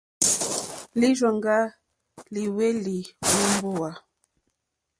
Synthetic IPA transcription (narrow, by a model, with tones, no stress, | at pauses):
li˦d͡ʒwa˨ŋɡa˦ | li˨we˦li˨wu˦m˦bo˦wa˨